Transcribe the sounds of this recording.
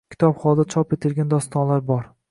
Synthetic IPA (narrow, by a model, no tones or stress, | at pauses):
kʲʰɪ̥t̪ʰɒpχɒlˠd̪at͡ʃʰɒpet̪ʰɪlɡʲand̪ɒst̪ɒnlaɾbɒɾ